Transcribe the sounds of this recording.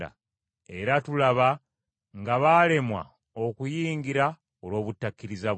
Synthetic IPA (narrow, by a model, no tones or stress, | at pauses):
a̰ | e̞ɾatulaβa | ŋɡaβale̞mwa̰ | okujiːŋɡiɾa | olwo̞ːβutːakːiɾiza